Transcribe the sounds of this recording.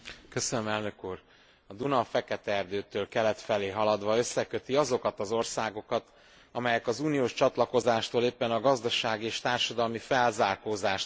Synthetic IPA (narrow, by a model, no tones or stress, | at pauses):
kø̞sønømɛlnø̞kuːr | ɒd̪unɒfɛkɛt̪ɛɛrd̪øːt̪øːlkɛlɛt̪fɛleːɦɒlɒd̪ʋɒø̞sːɛkø̞t̪iɒzo̞kɒt̪ɒzo̞rsaːɡo̞kɒt̪ | ɒmɛjɛkɒzuːnijoːʃt͡ʃɒt̪lɒko̞zaːʃt̪oːleːpːɛnɒɡɒzd̪ɒʃaːɡieːʃt̪aːrʃɒd̪ɒlmifɛlzaːrkoːzaːʃt